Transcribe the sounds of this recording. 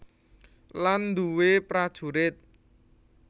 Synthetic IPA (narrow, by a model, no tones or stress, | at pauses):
land̪uwepɾad̥ʒ̥ṳɾɪt̪̚